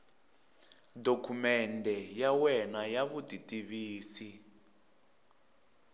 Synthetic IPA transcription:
dokʰumɛndʱɛjawɛnajaβuditʼiβiːsi

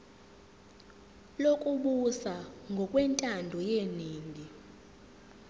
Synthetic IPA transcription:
lokʼuɓusaŋɡʱɔkʼwɛntʼandʱɔjeniːŋɡʱi

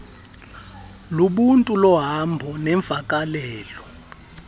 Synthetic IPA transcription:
luɓuntʼulɔɦambʱɔnɛɱb̪fakʼalɛːlɔ

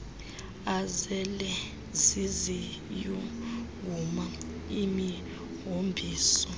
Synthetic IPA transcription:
azɛlɛ | zizi | juɡuma | imi | ɦombʱiːsɔ

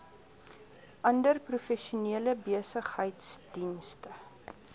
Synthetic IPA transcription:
ʔɐndərprufɛʃuniələbiəsəχhəjtsd̥instə

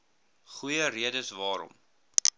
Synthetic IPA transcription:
χujəriədəsvɑːɾɔ̰m

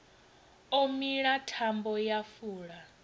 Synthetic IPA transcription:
omiɺatʰambɔjafuːɺa

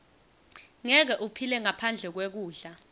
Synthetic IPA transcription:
ŋɛk̬ɛʔupʰilɛŋapʰand͡ɮʱɛk̬wek̬uːɮa

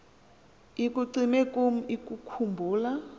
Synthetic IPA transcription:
ik̬ʼuǀimɛkom̩ikʼukʰumbʱuːla

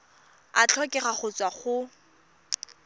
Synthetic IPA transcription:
a̰t͡ɬʰɔkʼɛχaχʊt͡sʼwaχʊ

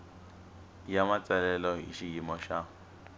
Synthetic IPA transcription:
jamat͡sʼɛlɛlɔɦḭʃijimɔʃa

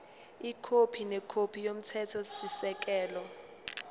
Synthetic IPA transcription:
ikʰopʰinɛkʰopʰijom̩tʰɛtʰɔsisɛk̬ʼɛːlɔ

